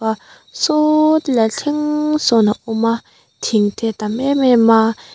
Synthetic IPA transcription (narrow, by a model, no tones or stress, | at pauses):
a | sotlaɬʰiŋsonauma | tʰiŋtʰet̪amɛmɛma